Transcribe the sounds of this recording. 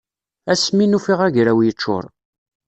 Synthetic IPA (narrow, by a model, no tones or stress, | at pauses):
æsminufiʁæʝɾæwjət͡ʃːʊ̰ɾˤ